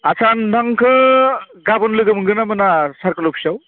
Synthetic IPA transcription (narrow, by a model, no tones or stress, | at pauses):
asʰandaŋkʰɯ | ɡabɯnlɯɡɯmɯŋɡɯnamɯnasaɾkɯlupʰsaw